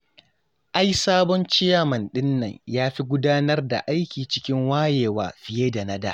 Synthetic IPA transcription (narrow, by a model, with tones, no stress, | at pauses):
ʔa˦jsaː˦bɔ˦nt͡ʃɪ˦jaː˨mɐ˨nɗɪ˦nːɐ̰˨ɲjaː˦ɸi˦ɡʷʊ˦daː˦nɐ˦rda̰˨ʔa˦jkʲiː˨t͡ʃɪ˦kʲɪ˦ŋwaː˦jeː˨wa̰ː˨ɸɪ˦jeː˦da˨nɐ˦da̰ː˨